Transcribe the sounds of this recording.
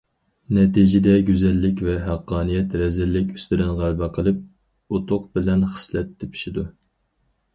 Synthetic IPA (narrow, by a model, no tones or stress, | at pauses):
nɛt̪ʰid͡ʒɪd̪ɛɡʲyzɛlːɪkʲvɛɦæqʰːɑːnijɛt̪ɾɛzɪlːɪkʲy̥st̪yɾɪnʁælbɛqʰəlˠɨp̚ | ot̪ʰʊqbɪlɛnχə̥slɛt̪ʰːɛpʰi̥ʃid̪u